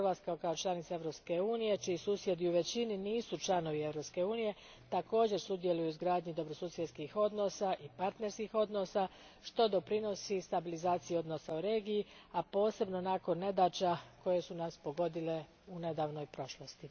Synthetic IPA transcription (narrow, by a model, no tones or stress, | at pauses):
ɾʋat̪skaokaot͡ʃlˠanit̪sae̞ʋɾo̞pske̞uːnije̞t͡ʃiisuːsje̞d̪iuʋe̞t͡ɕininiːsut͡ʃlano̞ʋie̞ʋɾo̞pske̞uːnije̞ | t̪ako̞ːd͡ʑe̞ɾsud̪je̞lujuzɡɾaːd̪ɲid̪o̞bɾo̞suːsjet̪skixo̞d̪no̞saʔipaɾt̪ne̞ɾskixo̞d̪no̞sa | ʃt̪o̞d̪o̞pɾino̞sist̪abilizaːt̪sijio̞d̪no̞sauɾe̞ːɡijiapo̞ːse̞bno̞naːko̞nːe̞d̪aːt͡ʃako̞je̞sunaspo̞ɡo̞d̪ile̞ | une̞d̪aːʋno̞jpɾo̞ʃlˠost̪i